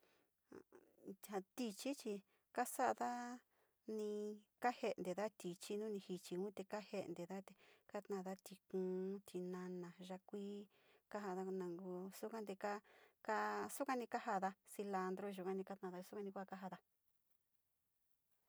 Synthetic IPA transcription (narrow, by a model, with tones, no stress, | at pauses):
ha˧t̪i˧t͡ʃi˦t͡ʃi˧ | ka˦sa˦ʔða˦ | nĩ˧ka˦he˧nd̪e˨ða˦t̪i˨t͡ʃi˦nũ˦nĩ˧hi˧t͡ʃi˧ũ˦t̪e˧ka˦he˧ʔnd̪e˨ða˦t̪e˧ka˦t̪nã˧˨ða˦t̪i˧kũː˨˧˦t̪ʰi˧nã˧nã˨ʒa˧kʷiː˦ | ka˦ɦa˧ða˧nã˨˧ŋɡu˧su˦kã˦nd̪e˧ka˦ka˦su˦kʷã˧nĩ˧ka˦ha˧ða˧si˧la˧nd̪ɾo˦ʒu˧kã˧nĩ˧ka˦˧t̪nã˧˨ða˧su˦kʷa˧nĩ˧kʷka˦ɦa˧ða˧